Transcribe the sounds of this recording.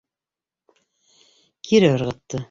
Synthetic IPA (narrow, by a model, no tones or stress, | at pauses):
kʰiɾɘɤɾʁɤ̆t̪ːɤ